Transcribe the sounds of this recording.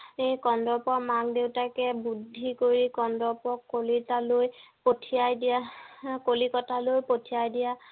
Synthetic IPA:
ejkɔndɔpɔmaŋdewtakɛbudʱːikoɹikɔndɔpɔkːolitaloj | potʰijajdijakolikɔtalojpotʰijajdija

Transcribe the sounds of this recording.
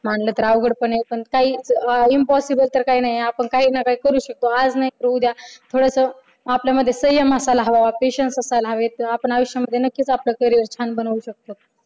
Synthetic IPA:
maɳlət̪əɾaʋɡəɽpəɳepəɳkaɦiːt͡simpɔsibəlt̪əɾkaɦiːnaɦjeapəɳkaɦiːnakaɦiːkəɾuːɕək̚t̪oad͡znaɦikɾəd̪jat̪ʰoɽəsə | apljaməd̪ʱːjesəɦjəməsalaɦʋaʋapeɕənsəsalaɦʋet̪apəɳaʋəɕjaməd̪ʱjenəkːit͡sapləkəɾijəɾt͡ɕʰanbənəuɕək̚t̪ot̪̚

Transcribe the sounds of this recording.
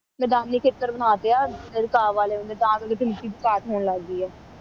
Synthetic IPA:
mɛːd̪aːnːiːkʰeːt̪əɾbənaːt̪eaːɪɾɪkaːʋaːleːʊnd̪eːd̪ãːkəkeʈʰɪlʈiːt̪kaːʈɦoːnlaɡd̪iːɛː

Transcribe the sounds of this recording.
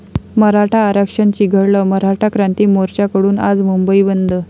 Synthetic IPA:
məɾaʈʰaːɾəkʂənt͡ɕiɡʱəɽləməɾaʈʰakɾãnt̪iːmoɾt͡ɕakəɽuːna̰d͡zmumbəibənd̪ʱə

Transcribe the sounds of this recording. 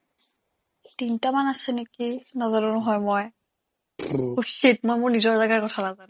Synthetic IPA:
tintamanasɛnekinazalʊnʊɦɔjmɔj | usit̚mɔjmʊɹnizɔɹzaɡaɹkɔtʰanazan

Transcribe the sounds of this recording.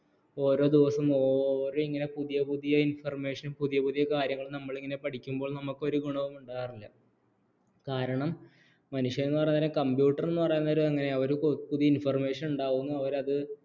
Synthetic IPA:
o̞ːɾo̞ːd̪iʋɐsɐmo̞ːɾo̞ːiŋːɐne̞puðijɐpuðijɐinfɐrme̞ːʂɐnumpuðijɐpuðijɐkaːɾjɐŋːɐɭnɐmːɐɭiŋːɐne̞pɐʈʰikʲːumboːɭnɐmukːo̞ɾuɡuɳɐʋɐmuɳɖaːjɐrilːɐ | kaːɾɐɳɐmː | ɐnuʂjɐɾenːɨpɐjnːt̪ːaːlekɐmbjuːʈːɐrenːɨpɐrɐjunːɐoɾuɐŋːɐne̞ɐʋɐɾupuðijɐinfɐrme̞ːʂɐnuɳɖaːɣunːuɐʋɐɾɐðɨ

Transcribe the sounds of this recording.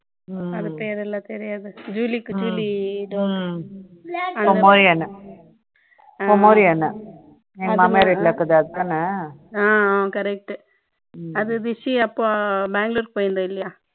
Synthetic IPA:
ɐðɯpeːɾɛlːãːt̪ɛɾɪjaːðɯd͡ʒuːlikːɯd͡ʒuːliɖoː | ɐkɔmoːɾiɐnːɐ | akɔmoːɾiɐnːɐ | emɐmeɾelɐkːɐðɯɐðɯt̪aːnɐaːaːkɐɾɛk̚ʈːɯ | ɐðɯd̪ɪsiɐpːoːbaːŋɡloːɾkpoːjɪnd̪ɐɪlːɐjaː

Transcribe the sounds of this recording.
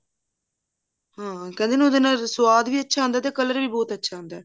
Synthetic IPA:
hãːkɛ̃nd̪eːnẽoːd̪enaːlsʊʋaːd̪ʋiːətːʃʰaːɦə̃nd̪aːt̪eːkəlːəɾʋiːbɔːt̪ətːʃʰaːɦə̃nd̪aː

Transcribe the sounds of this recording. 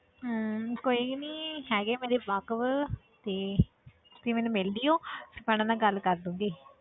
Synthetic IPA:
koːiːniːɦɛːɡeːmɛ̃ːd̪eːbakʋ | t̪eː | t̪eːmɛːnũːmɪld̪ijõːsəpɛːɽ̃ãːd̪ãːɡəlkəɾd̪ũːŋɡiː

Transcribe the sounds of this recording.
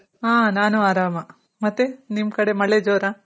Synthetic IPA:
ɦaːnaːnuaːɾaːmɐ | mɐt̪ːenimːkɐɽemɐɭed͡ʒoːɾa

